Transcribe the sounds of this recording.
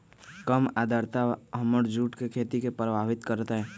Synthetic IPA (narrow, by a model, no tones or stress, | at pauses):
kəmaːd̪ʱəɾt̪aɦəməɾd͡ʒuːʈkekʰeːt̪ikepɾəbʱaːʋɪt̪kəɾt̪aɦɛː